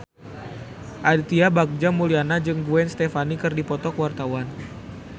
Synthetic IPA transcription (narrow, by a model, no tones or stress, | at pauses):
ʔadit̪iabak̚d͡ʒamulianad͡ʒɨŋɡuɛnst̪efanikɨrdipɔt̪ɔkəwart̪awan